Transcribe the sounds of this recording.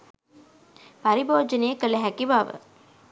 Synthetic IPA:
paɾiboːd͡ʒənejəkələɦækiʋaʋə̰

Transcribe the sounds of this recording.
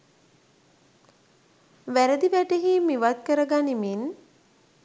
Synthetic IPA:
ʋæɾəd̪iʋæʈeɦiːmiʋat̪̚kəɾəɡanimin

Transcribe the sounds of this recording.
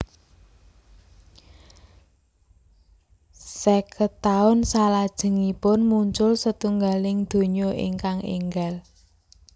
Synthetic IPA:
sɛkət̪aʊnsalad̥ʒ̥ə̤ŋipʊnmuɲt͡ʃʊlsət̪uŋɡalɪŋd̪̥o̤ɲoʔɪ̰ŋkaŋḛŋɡal

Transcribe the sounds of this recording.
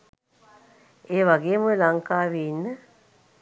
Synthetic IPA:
eːʋaɡeːmoelaŋkaːʋinːə

